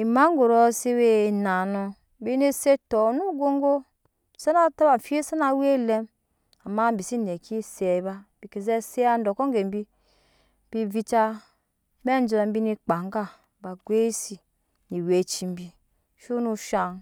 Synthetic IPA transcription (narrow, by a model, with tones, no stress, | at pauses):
i˨ma˦ŋ˦ɡo˨ɾo˦se˦we˦˨na˨nu˨ | bi˦ne˦se˦to˨nu˦ɡo˦ŋ˦ɡo˦ | sa˦na˦ta˦ba˨fi˦e˦sa˦na˦we˦˨le˦m | a˨ma˦m˦bi˨si˦ne˨ki˦se˨˦ba˦b̥i˨ke˨ze˦se˦a˦n˦do˨ko˦ŋ˦ɡe˨m˦bi˦ | b̥i˦vi˦t͡ʃa˦ | me˦n˦d͡ʒo˨a˨m˦bi˦ni˦k͡pa˨ŋ˦ɡa˦ | ba˨ɡʷe˦i˦si˨ | ni˨we˨t͡ʃi˨m˦bi˨ | ʃu˦nu˦ʃa˨n